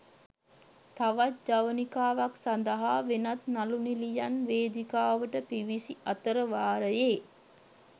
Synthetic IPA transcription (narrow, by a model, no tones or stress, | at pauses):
t̪aʋat̪̚d͡ʒaʋənikaːʋaksand̪əɦaːʋenat̪nalunilijanʋeːd̪ikaːʋəʈəpiʋisiat̪əɾəʋaːɾəjeː